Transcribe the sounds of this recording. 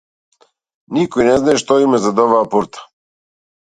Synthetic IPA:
nikɔjnɛznaɛʃt̪ɔimɛzad̪ɔβaːpuɾt̪ḁ

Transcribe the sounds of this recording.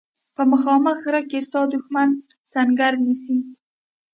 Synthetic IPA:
pamɨχɒːmaχɨɾakest̪ɒːd̪ʊxman | saŋɡaɾnisiŋ

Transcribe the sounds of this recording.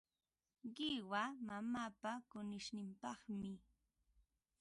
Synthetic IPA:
ɢɪwamamaːpakʊnɪʃnɪmpɑχmɪ

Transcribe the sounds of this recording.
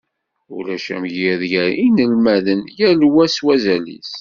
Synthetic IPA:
ulæʃæ̰mʝiðjæinəlmæðənjælwæswæzælḭs

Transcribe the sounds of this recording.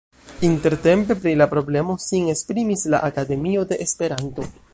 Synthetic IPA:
inte̞ɾte̞mpe̞pɾilapɾo̞ble̞mo̞siŋe̞spɾimisla̰ʔakade̞mio̞de̞ʔespe̞ɾanto̞

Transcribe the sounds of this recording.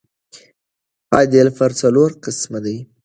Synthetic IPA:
hɑjd̪elfaɾt͡saloɾqɪsmad̪aj

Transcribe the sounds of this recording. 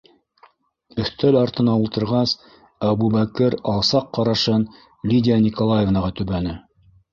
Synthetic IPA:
ɵ̆θt̪ælɑɾt̪ɤ̆nɑulˠt̪ɤ̆ɾʁɑs | æβuβækɘɾɑlˠsɑqːɑɾɑʃɤn | lʲidʲɪjanʲikolˠajevnɑʁɑt̪ʉβænɘ

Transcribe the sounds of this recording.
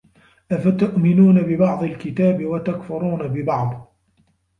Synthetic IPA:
ʔafat̪ʊʔmɪnuːnabɪbɑʕd̪ˤɑlkɪt̪aːbɪwat̪akfʊɾˤuːnabɪbɑʕd̪ˤ

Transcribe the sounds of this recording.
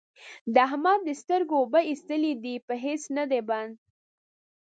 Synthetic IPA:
d̪əaɦmɑɾd̪əst̪əɾɡobaist̪əlid̪ipəɦesnad̪eband̪̚

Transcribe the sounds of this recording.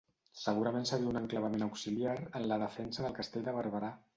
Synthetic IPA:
səɣ̞uɾəmẽnsəɾiəunəŋkləβəmẽnəwksiliaɾənləðəfɛnsəðəlˠkəst̪eʎʲd̪əβ̞əɾβəɾa

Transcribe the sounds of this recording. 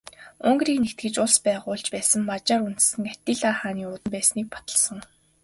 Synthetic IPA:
ɵŋɡriːknekt̪̚ɡɘ̆t͡ɕʊɮspæːʁʊːɮt͡ɕpæːsə̆mːat͡ɕaːɾun̥t̪sɘ̆ŋæt̪iːɮaːχaːniːʊt̪ə̆mpæːsniːk̚pɔ̥t̪ə̆ɮsə̆ŋ

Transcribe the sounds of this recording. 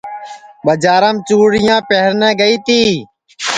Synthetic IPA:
ɓəd͡ʒaːɾəmt͡ʃuːɽɪjãːpeɦɾnɛ̃ːɡəiːt̪iː

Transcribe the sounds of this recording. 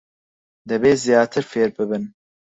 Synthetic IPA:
d̪ɛbeːzijɑːt̪ʰɨɾfeːɾbɨbɨn

